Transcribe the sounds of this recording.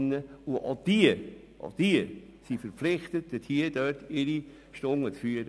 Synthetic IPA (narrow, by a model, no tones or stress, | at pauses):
nːəuʔɑ̰d̥iə | ʔɑ̰d̪̥iə | sifəɾpflɪχt̪ət̚əthiəd̥œtɪɾi | ʃtʊŋːət͡sfyəɾə